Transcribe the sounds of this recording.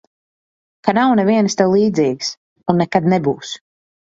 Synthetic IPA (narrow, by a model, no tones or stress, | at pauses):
kanawnɛviɛnst̪ɛwlˠiːd̪ziːɡs | unːɛkad̪nɛbuːs